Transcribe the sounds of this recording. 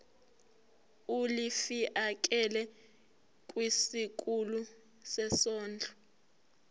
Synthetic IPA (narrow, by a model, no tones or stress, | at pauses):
ulifiʔak̬ʼɛlɛ | kʼwisik̬ʼulu | sɛsɔːnd͡ɮʱɔ̥